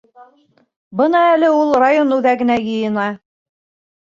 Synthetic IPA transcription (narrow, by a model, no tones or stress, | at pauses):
bɤnɑælɘulˠrajonʉðæɡɘ̆næjɤ̆jɤ̆nɑ